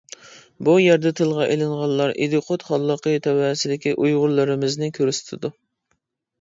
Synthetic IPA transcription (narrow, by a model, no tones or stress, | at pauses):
bujɛɾd̪ɛt̪ʰɨlˠʁɑʔelɨɴʁɑnˠlːˠɑɾʔḭd̪ɨqʰot̪χɑlˠːəqʰət̪ʰɛwæsɪd̪ɪkʲiʔujʁʊɾlˠɨɾɨmɪznɪkʲʰøɾyst̪ʰɪd̪u